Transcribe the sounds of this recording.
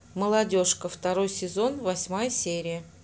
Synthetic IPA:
məlˠɐdʲo̞ʂkəft̪ɐɾo̞jsʲɪzo̞nvɐsʲmajəsʲeɾʲɪjə

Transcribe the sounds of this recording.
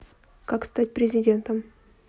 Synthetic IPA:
kakst̪at̚ʲpɾʲɪzʲɪdʲe̞nt̪əm

